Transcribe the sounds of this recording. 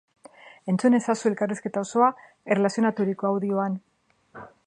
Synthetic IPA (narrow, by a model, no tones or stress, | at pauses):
e̞nt͡sune̞sasue̞lkariske̞t̪ao̞so̞a | ere̞lasio̞nat̪uɾiko̞awðioan